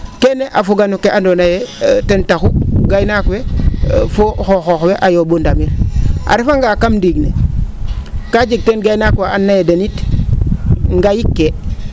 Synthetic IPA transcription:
keneʔafuɡanukːeʔandonajetentaxuɡajnakwefoxoxoxweʔajobondamilʔa̰ɾifaŋɡakamdiɡnḛ | kad͡ʒiɡ̚tenɡajnakwaanːajedenit | ŋɡajikːe

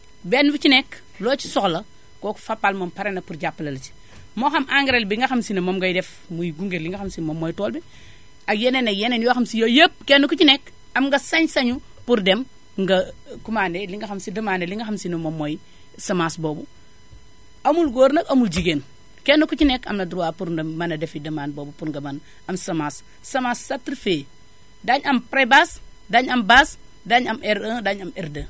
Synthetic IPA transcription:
benːufit͡ʃinek | loːt͡ʃi̥soklɐ | koku̥fapːalmɐmpaɾenɐpuɾɟapːlɐlɐt͡ʃi̥ | moxɐmʔaŋɡɾelbiŋɡɐxamsinɐmomɡɐjdef | mujiɡuŋɡeɾliŋɡaxamsimomːojtoːlbi | ajenenajenenjoxamsijojep̚kenːukut͡ʃinek | ɐmŋɡɐsɐɲsɐɲu | puɾdem | ŋɡɐkumaneliŋɡɐxɐmsidɐmaneliŋɡɐxamsinumomoj | sɐmasboːbu | ɐmulɡoːɾnɐkɐmuld͡ʒiɡen | kenːukut͡ʃinekɐ̰mnɐduɾuwapuɾdemmɐnɐdefidɐmanboːbupuɾŋɡɐman | ɐmsɐmasː | ɐmasːatiɾfe | daɲɐmpɾebas | daɲɐmbas | daɲɐmeɾədaɲɐmeɾdɐ

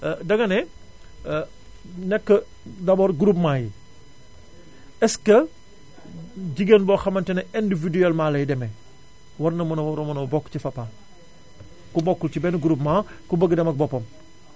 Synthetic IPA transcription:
dɐɡɐnɛ | nɛkːə | dɐbɔːɾɡuɾupmaːji | ɛskɐ | ɟiɡenbɔxɐmɐntɛnɐʔindividuɛlmaːlɐjdɛmɛ | wɐɾnɐmɐnɐwɔɾɔmɐnɔbɔkːcifɐpːa | kubɔkːulcibɛnɡuɾup̚makubəɡːdɛmɐk̚bɔpːɔm

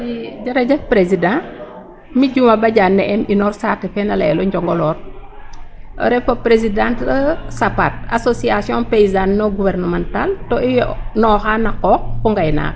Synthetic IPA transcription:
iɟɐɾɐɟɐk̚pɾezidã | miɟumɐbɐɟanːɛʔɛminɔrsatɛfɛnɐlɛlɔɲɟɔŋɡɔlɔr | ɾɛfopɾezidãntsapat̚a̰sosiasjɔ̃npejzanːɔɡuvɛrnɐmantaltɔijnɔːxanːɐkɔk̚kuŋɡajna̰ːk

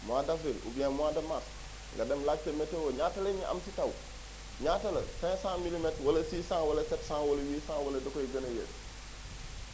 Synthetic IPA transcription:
muadafilṵbijanmuadɐmas | ŋɡɐdɛmlatɐmetewoɲaːtɐleɲiʔɐ̰msitaw | ɲatɐlɐ̰sɛ̃sãmilimɛtwɐlɐsiːsãːŋwɐlɐsɛtsãːwɐlɐwiːsãːwɐlɐdɐkoiɡɐnɐjḛs

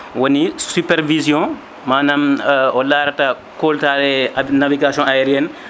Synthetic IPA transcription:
wonisupɛɾvizjɔ̃ | maːnamɔlaːɾta | koltalɛnaviɡasɔ̃ajɛɾiɛn

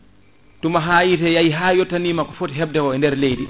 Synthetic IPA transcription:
tumaɦaːjitɛjajiɦaːjɔtːaniːmakːɔfotiɦɛb̚dɛkɔɛndɛɾlejdi

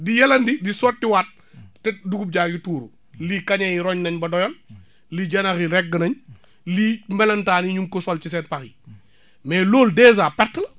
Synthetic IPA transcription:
dijɐlɐndidisɔːt̚ːiwat̚ː | ɛduɡup̚ɟaːɡituːɾu | liːkɐɲɐjiɾɔɲnɐɲbɐdɔjɔl | liɟɐnɐxiɾɛɡːənɐɲ | limɛlɐntaːniɲumkɔsɔlt͡ʃisɛːnpɐxi | mɛːloːldɛːz̬aːpɛɾtːlɐ

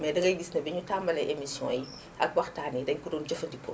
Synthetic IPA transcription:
mɛːdɐŋɡɐjɡisnɐbɛɲutambɐlɐʔemisjɔ̰̃j | ʔɐk̚wɐxtaːnidɛɲkudɔːnd͡ʒɔfɐdipːɔ̰

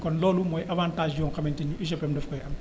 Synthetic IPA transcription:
kɔnlɔːlumɔjʔɐvaːntaːʒjɔːŋxɐmɛntiɲːuʔiʃ̬ɛpɛmdɛfkɔjʔɐm

